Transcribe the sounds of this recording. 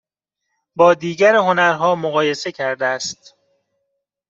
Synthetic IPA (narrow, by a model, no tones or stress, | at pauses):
bɒːd̪iːɟæɾeho̞næɾɦɒːmoɣɒːje̞se̞cʰæɾd̪eæst̪